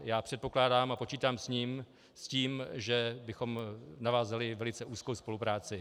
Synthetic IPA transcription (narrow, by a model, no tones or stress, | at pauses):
jaːpr̥ɛt̪̚po̞klaːdaːmapo̞t͡ʃiːt̪aːmsɲiːm | sciːmʒɛbɪxo̞mnavaːzalɪvɛlɪt͡sɛʔuːskowspo̞lupɾaːt͡sɪ